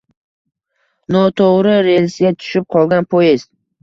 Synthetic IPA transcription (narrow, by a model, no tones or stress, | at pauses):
nɒt̪ʰoʁɾɪɾe̞lʲsɪɡat̪ʰʊ̥ʃɪp̚qʰɒlˠɡʲanpʰojɪz̥t̪